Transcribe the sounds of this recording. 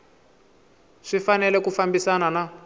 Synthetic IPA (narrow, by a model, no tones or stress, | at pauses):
ʂifanɛlɛkufambisanana